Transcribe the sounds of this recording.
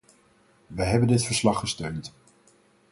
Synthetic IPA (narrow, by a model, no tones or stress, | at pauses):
ʋəɦɛbəndɪtfəɹslɑχːəstøɥnt